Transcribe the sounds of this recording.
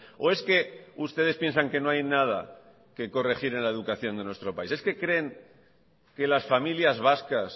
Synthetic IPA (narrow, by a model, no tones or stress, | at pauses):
o̞e̞ske̞ust̪e̞ð̞espje̞nsaŋke̞noajnað̞a̰ | ke̞ko̞re̞xiɾe̞nlae̞ðukaθjo̞nd̪e̞nwe̞st̪ɾo̞paise̞ske̞kɾe̞ːŋ | ke̞lasfamiljazβaskas